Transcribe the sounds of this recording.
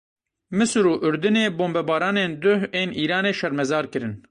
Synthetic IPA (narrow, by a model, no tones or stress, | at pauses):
mɨsɾuːʔʊɾd̪ɨneːboːmbɛbaːɾaːneːnd̪ʊheːniːɾaːneːʃɛɾmɛzaːɾkɨɾɨn